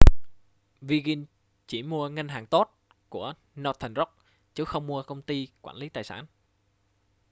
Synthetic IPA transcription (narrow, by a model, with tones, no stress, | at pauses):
vi˧ɣi˧n | t͡ɕi˧˩mu˧əŋa˧ŋ̟ɦaː˨˩ŋt̪o˦˥t̚ | ku˧˩ə | nɔ˨˧˩t̪ʰɛ˨˩ŋzɔ˦˥k̚ | t͡ɕɨ˨˦xə˧wŋ͡mmu˧əkə˧wŋ͡mt̪i˧kwaː˧˩nli˨˦t̪aː˨˩jsaː˧˩n